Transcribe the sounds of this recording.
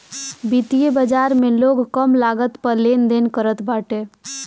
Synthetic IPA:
bit̪ijebəd͡ʒaɾmeloɡkəmlaɡət̪pəɾlend̪enkəɾət̪baʈe

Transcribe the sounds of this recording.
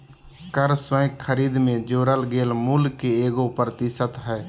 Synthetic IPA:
kəɾsəjkkʰːəɾiːd̪mẽd͡ʒoːɾəlɡeːlmuːlkeeːɡopɾət̪ɪsət̪ɦɛː

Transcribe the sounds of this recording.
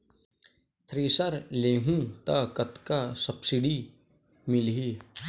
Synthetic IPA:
t̪ʰɾiːsəɾleːɦũt̪akɐt̪kasɐpsɪɖi | mɪlɦi

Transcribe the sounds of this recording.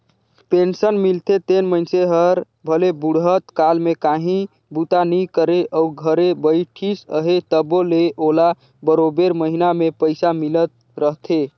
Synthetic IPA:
pensənmilt̪ʰet̪enmənseɦəɾ | bʱəlebuɽɦət̪kalmekaɦĩ | but̪anikəɾeʔəuɡʱəɾebəjʈʰisə̰ɦet̪əboleʔola | bəɾobeɾməɦinamepəjsamilət̪̚ | ɾəɦt̪ʰe

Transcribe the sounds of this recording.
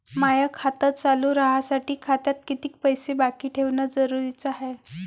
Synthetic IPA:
majəkʰat̪ət̪̚t͡saluɾəɦasaʈiːkʰat̪jat̪̚kit̪iːk̚pəjsebakiːʈʰeʋnad͡zəɾuɾit͡saɦe

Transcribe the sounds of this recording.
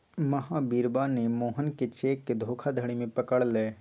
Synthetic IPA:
məɦabiːɾbanemoːɦənket͡ʃeːkːed̪ʱoːkʰad̪ʱəɽ̃imẽpəkəɽleː

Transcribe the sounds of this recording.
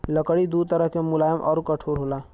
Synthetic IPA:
ləkəɽid̪ut̪əɾəɦkemulajəmʔɔ̰ːɾukəʈʰoɾɦola

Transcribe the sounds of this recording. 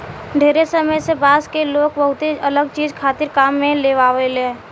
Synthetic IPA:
ɖʱeːɾesəməjsebaːzkeloːkbəɦʊt̪eələɡ̚t͡ʃiːzkʰaːt̪ɪɾkaːmːẽleːʋaːʋelẽː

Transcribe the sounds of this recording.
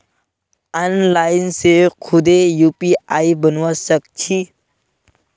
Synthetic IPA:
anlajnsekʰud̪ejupiaibənʋasəkt͡ɕʰi

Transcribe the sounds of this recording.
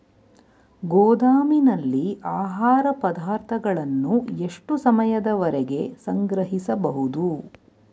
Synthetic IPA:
ɡɔːd̪aːminɐlːiʔaːɦaːɾɐpɐd̪aːɾt̪ʰɐɡɐɭɐnːue̞ʂʈusɐmɐjɐd̪ɐʋɐɾɛɡe̞sɐŋɡɾɐɦisɐbɐɦud̪u

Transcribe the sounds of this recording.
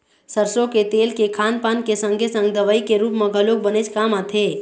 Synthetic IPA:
səɾsõket̪eːlkekʰaːnpaːnkesə̃ŋɡʱesə̃ŋɡ̚d̪əʋaːikeɾuːpmẽɡʱəlok̚bənet͡ʃkaːmat̪ʰeː

